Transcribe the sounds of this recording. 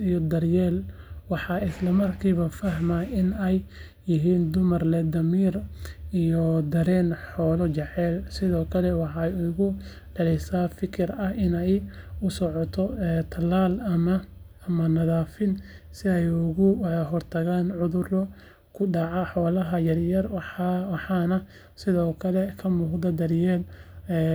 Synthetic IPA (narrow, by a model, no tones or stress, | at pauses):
ijɔd̪ɐrjɛːlwɑħɑɪslɐmɐrkʰiːβɐfɐɦmaɪnɛjː | ɪɦiːnd̪ʊmɐrlɛd̪ɐmiːrijɔd̪ɐɾɛːnħɔːlɔt͡ʃɛʕɛːlsɪðɔːkʰɐlɛwɑħɑjʊɣʊ | dɐlɛsaːfɪkʰɪrɐhɪnɛjʊsɔʕɔt̪ʰɔɛt̪ʰɐlaːlɐmɐ | ɐmɐnɐðaːfɪnsɪɛjʊɣʊɦɔrt̪ʰɐɣaːnʕʊðʊrɔ | kʰʊɖɑʕɑħɔːlɐɦɐjɐrjɐrwɑħɑnɐ | sɪðɔːkʰɐlɛkʰɐmuːɡd̪ɐd̪ɐrjɛːlɛː